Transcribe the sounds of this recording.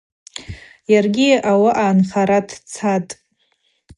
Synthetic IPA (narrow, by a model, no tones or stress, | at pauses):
jarɡʲiʔawaʔaːnχaɾatʰt͡sʰatʼ